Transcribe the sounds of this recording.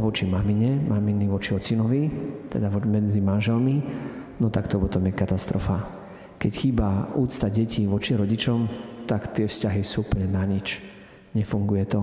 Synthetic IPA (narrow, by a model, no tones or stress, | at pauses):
ʋɔt͡ʃimamiɲɛmʔaminiʋɔt͡ʃiɔt͡sinɔʋit̪ɛ̰d̪aʋɔmɛd͡zimanʒɛlminɔt̪akt̪ɔpɔt̪ɔmjɛkat̪ast̪ɾɔfa | kɛcxiːbauːt̪st̪aɟɛciʋɔt͡ʃiɾɔɟit͡ʃɔmt̪akt̪ɪɛfscaɦisuːupl̩ɲɛnaɲit͡ʃ | ɲɛfuŋɡujɛt̪ɔ